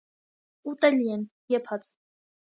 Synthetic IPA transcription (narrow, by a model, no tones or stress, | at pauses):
ut̪ɛliɛn | jɛpʰɑt͡sʰ